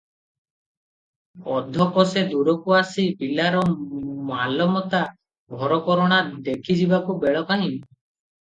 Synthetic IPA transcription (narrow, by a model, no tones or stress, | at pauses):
ɔd̪ʱɔkɔsed̪uɾɔkuasibilaɾɔmalɔmɔt̪a | bʱɔɾɔkɔɾɔɽ̃ad̪ekʰid͡ʒibakubeɭɔkaɦin